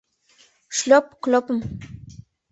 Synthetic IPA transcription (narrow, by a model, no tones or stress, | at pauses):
ʃlopklopm